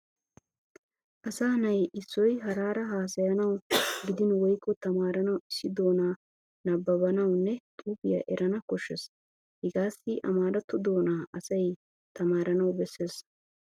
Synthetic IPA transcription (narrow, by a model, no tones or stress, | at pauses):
ʔɐsaːnɐjɪsːɔjɦɐɾaːɾɐɦaːsɐjɐnɐwɡɪd̪ɪnwɔjkːɔt̪ɐmaːɾɐnɐwɪsːɪd̪o̞ːnaː | nɐbːɐbɐnɐwnːɛt̪ʼuːbɪja̰ʔɛɾɐnɐkɔʃːɛs | hɪɡaːsɪʔɐmaːɾɐt̪ːʊd̪o̞ːnaːʔɐsɐj | t̪ɐmaːɾɐnɐwbɛsːe̞ːs